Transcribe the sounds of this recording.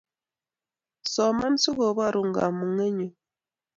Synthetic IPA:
sɔ˨ma˦n̩˦su˦ɣo˨βa˦˨ɾu˨ŋ˨ɡa̰˨mu˨ŋe˦ɲe˨

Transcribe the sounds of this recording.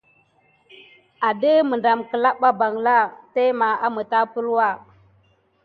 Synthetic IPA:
a˨də˦mə˨nda˨mkə˨la˦ɓa˦ba˨ŋla˦te˦ma˨a˦mə˨ta˦pə˦lwa˦˨

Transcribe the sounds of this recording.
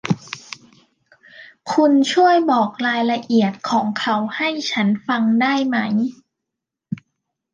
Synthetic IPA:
kʰu˧nt͡ɕʰu˥˩əjbɔː˨˩k̚ɾaː˧jla˧ʔi˨˩ət̪̚kʰɔː˩˦ŋkʰa˦˥wha˥˩jt͡ɕʰa˦˥nfa˧ŋdaː˥˩jma˦˥j

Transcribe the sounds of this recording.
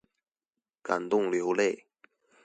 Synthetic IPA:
ka˨˩nt̪ʊ˥˨ŋljo˨˦ʊle˥˨ɪ

